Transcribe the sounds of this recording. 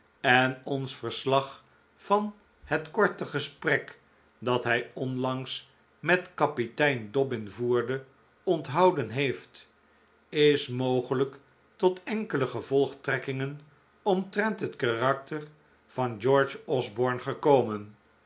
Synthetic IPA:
ɛnɔnsfəɹslɑχ | fɑn | hətkɔɹtəχəsprɛk | dɑtɦɛjɔnlɑŋs | mɛtkɑpitɛjndɔbɪnvuːɹdə | ɔntɦɑwdənɦejft | ɪsmowχələk | tɔtʰɛŋkələχəvɔlˠχtrɛkɪŋən | ɔmtrɛntɦətkarɑk̚təɹ | v̥ɑnd͡ʒɔɹd͡ʒɔzbɔɹnχəkowmən

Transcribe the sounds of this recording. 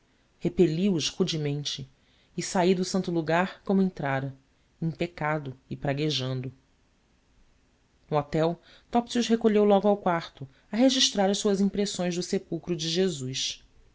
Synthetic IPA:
hepeliʊʃhud͡ʒimẽnt͡ʃɪː | said̪ʊsɐ̃nt̪ʊluɡaɾkõmʊẽnt̪ɾaɾɐ | ẽpekad̪ʊɪpɾaɡeʒɐ̃nd̪ʊ | nʊɔt̪ɛw | t̪ɔpsiuʃɦekoʎewlɔɡʊawkwaɾt̪ʊ | ɐɦeʒiʃt̪ɾaɾɐʃsuɐzĩpɾesõj̃zd̪ʊsepuwkɾʊd͡ʒɪʒezus

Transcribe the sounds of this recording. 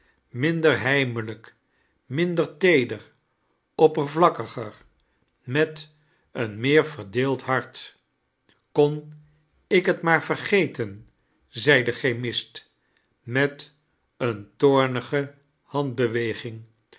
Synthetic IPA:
mɪndəɹɦɛjmələk | mɪndəɹtejdər | ɔpərvlɑkəχəɹ | mɛt | ənmɪːɹvəɹdɪːlˠtɦɑɹt | kon | ɪkɦətmaːɹv̥ərχejtən | zɛjdəχemɪst | mɛt | əntʊːɹnəχə | hɑnd̚bəʋejχɪŋ

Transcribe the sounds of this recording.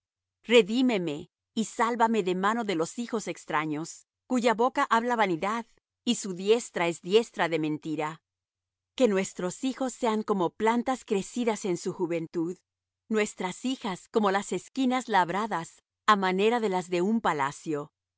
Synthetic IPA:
re̞ðime̞me̞ | isalβame̞ðe̞mano̞ðe̞lo̞sixo̞se̞kst̪ɾaɲo̞s | kuʝaβo̞kaʔaβlaβaniðað | isuðje̞st̪ɾae̞zðje̞st̪ɾaðe̞mẽ̞nt̪iɾa | ke̞nwe̞st̪ɾo̞sixo̞sːe̞aŋko̞mo̞plant̪askɾe̞siðase̞nsuxuβe̞nt̪uð | nwe̞st̪ɾasixasko̞mo̞lase̞skinazlaβɾaðas | amane̞ɾaðe̞lazðe̞umpala̰sjo̞

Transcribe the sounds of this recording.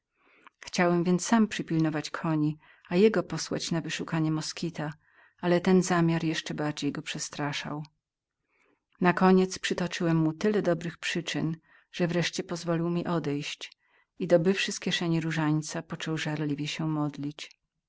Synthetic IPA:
xt͡ɕawɛmvʲjɛnt̪ssampʂɘpʲilnɔvat͡ɕkʰɔɲi | ajɛɡɔpɔswa̰t͡ɕnavɘʂukaɲɛmɔskʲit̪a | alɛt̪ɛnzamʲjaɾjɛʂt͡ʂɛbaɾd͡ʑejɡɔpʂɛst̪ɾaʂa̰w | nakɔɲɛt̪spʂɘt̪ɔt͡ʂɘwɛmːut̪ɘlɛd̪ɔbɾɘxpʂɘt͡ʂɘ̰n | ʐ̥ɛvɾɛʂt͡ɕɛpɔzvɔlʲiwmʲiʔɔd̪ɛjɕt͡ɕ | id̪ɔbɘfʂɘskʲɛʂɛɲiɾuʐaɲt̪sapɔt͡ʂɔwʐaɾlʲivʲjɛɕɛmɔd̪lʲit͡ɕ

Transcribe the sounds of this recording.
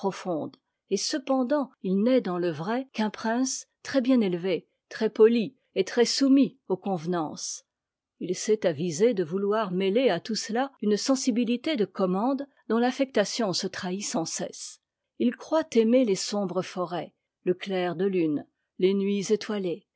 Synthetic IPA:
pχɔfɔ̃d̪ | esəpɑ̃d̪ɑ̃ilnɛd̪ɑ̃ləvʁɛkɛ̃pχɛ̃st̪χɛbjɛ̃nelve | t̪χɛpɔli | et̪χɛsumiokɔ̃vnɑ̃s | ilsɛt̪avized̪əvulwaʁmeleat̪uslaynsɑ̃sibilit̪ed̪əkɔmɑ̃d̪ | d̪ɔ̃lafɛk̚t̪asjɔ̃sət̪χaisɑ̃sɛ̰s | ilkχwat̪emelesɔ̃bʁəfɔʁɛ | ləklɛʁd̪əlyn | lenɥizet̪wale

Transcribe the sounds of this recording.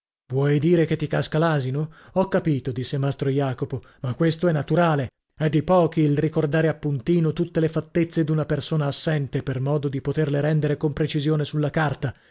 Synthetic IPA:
vwɔjd̪iːɾeket̪ːikaskalaːzinoɔkːapiːt̪od̪isːemast̪ɾojaːkopomakːwest̪oɛnːat̪uɾaːle | ɛd̪ːipɔːk̟iːlrikord̪aːɾeapːunt̪iːnot̪ut̪ːelefat̪ːet̪sːed̪unapersoːnaːsːɛnt̪epermɔːd̪od̪ipot̪erleɾɛnd̪eɾekompɾet͡ʃizjoːnesulːakart̪a

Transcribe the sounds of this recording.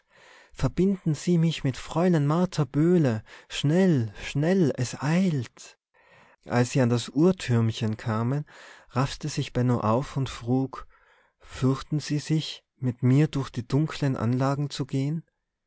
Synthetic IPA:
fɛɐbɪndn̩z̥iːmɪçmɪtfʁ̥ɔʏlənmaɐtʰabøːləʃnɛlʃnɛlɛsʔaɪlt | ʔa̰lsz̥iːandasʔuːɐtʰʏɐmçənkʰaːmənʁaftəzɪçb̥ɛnoʔaʊfʊntfʁ̥uːk | fʏɐçtn̩z̥iːzɪç | mɪtmiːɐdʊɐçd̥iːdʊŋkʰlənʔa̰nlaːɡŋ̩t͡suɡeːən

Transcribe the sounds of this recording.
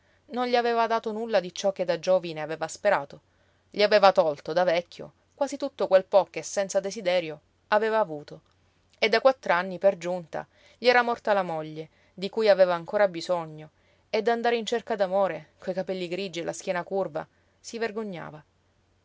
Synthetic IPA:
nonʎiaveːvad̪aːt̪onulːad̪it͡ʃɔkːed̪ad͡ʒoːvineaveːvaspeɾaːt̪o | ʎiaveːvat̪ɔlt̪od̪avɛkʰʲːo̰ | kwaːzit̪ut̪ːokwelpɔkːesːɛntsad̪esid̪ɛːɾjo | aveːvaːvuːt̪o | ed̪ːakwat̪ːɾoanːiperd͡ʒunt̪a̰ | ʎiɛːɾamɔrt̪alamoʎːe | d̪ikujaveːvaːŋkoːɾabizoɲːo | ed̪ːand̪aːɾeint͡ʃerkad̪amoːɾekojkapɛlːiɡɾid͡ʒielʔask̟jɛːnakurva̰ | siverɡoɲːa̰ːva

